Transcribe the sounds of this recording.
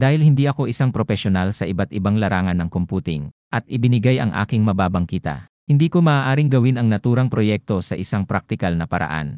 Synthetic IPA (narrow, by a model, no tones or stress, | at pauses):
d̪aːhɪlhɪnd̪iːʔɐko̞ʔɪsaŋpɾofɛʃjonalsɐʔɪbat̪ʔɪbaŋlɐɾaːŋɐnːɐŋkompuːt̪ɪŋ | ʔɐt̪̚ʔɪbɪnɪɡajʔɐ̰ŋʔa̰ːkɪŋmɐbaːbɐŋkit̪ɐ̰ | hɪnd̪iːkomɐːaːʔaːɾɪŋɡɐwɪnɐŋnɐt̪uːɾɐŋpɾojɛk̚t̪o̞sɐʔɪsaŋpɾak̚t̪ɪkalnɐpɐɾɐ̰ʔa̰n